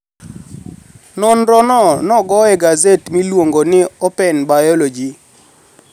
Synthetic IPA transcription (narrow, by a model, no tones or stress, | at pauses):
nɔnɾɔnɔnɔɡɔɛɡazetmilwoŋɡonɪɔpɛnbajɔlod͡ʒi